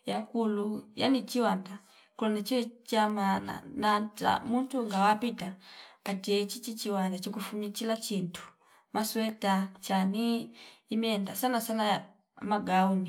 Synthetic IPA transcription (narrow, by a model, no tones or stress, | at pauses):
jakuluja̰nit͡ʃiwanda | kulɔnat͡ʃiwɛt͡ʃamana̰nata̰muntuŋɡawapitakatiɛt͡ʃit͡ʃit͡ʃiwandat͡ʃikufuɲit͡ʃilat͡ʃintʰu̥ | maswɛtat͡ʃaniː | mɛndasanasana | maɡauni